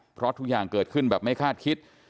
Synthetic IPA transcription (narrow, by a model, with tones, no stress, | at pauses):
pʰɾɔ˦˥t̪ʰu˦˥k̚jaː˨˩ŋkɤː˨˩t̪̚kʰɯ˥˩nbɛː˨˩p̚ma˥˩jkʰaː˥˩t̪̚kʰi˦˥t̪̚